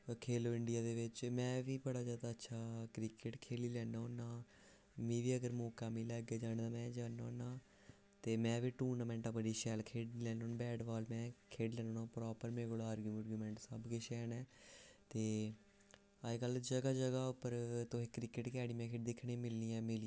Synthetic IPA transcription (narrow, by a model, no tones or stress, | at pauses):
kʰeːloːɪɳɖɪjaːd̪eːʋɪt͡ʃmɛ̃ːʋiːbəɽaːzjaːd̪aːətːʃʰaːkɾɪkɪʈkʰeːliːlɛːnaonaː | mĩːʋiːəɡəɾmɔːkaːmiːlɛːɡeːd͡ʒaːnːd̪aːmɛ̃ːd͡ʒaːnaoːnaː | t̪eːmɛ̃ːʋiːʈuːɾnaːmɛ̃ːɳʈapəɖiːʃɛːlkʰeːɖilɛːnoːnbɛːɖʋaːlmɛ̃ːkʰeːɖlɛːnoːnaːpɾɔːpəɾmẽːɡoːlaːɾɡuməɾɡjuːmɛ̃ːɳʈsəbkeːʃɛːnɛːt̪eː | əkəld͡ʒəɡaːd͡ʒəɡaːʊpəɾt̪oːɦeːkɾɪkɪʈkɛːɽiːmɛ̃ːkʰɪːʈ̚d̪ɪkʰːɳẽːmɪlniːɛ̃ːmɪli